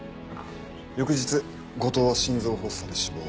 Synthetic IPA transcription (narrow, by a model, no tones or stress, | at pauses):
jo̞kɯ̟ʑit͡sɨ | ɡo̞t̪o̞ːβaɕĩnd͡zo̞ːɦo̞ːsoːd̪eɕimo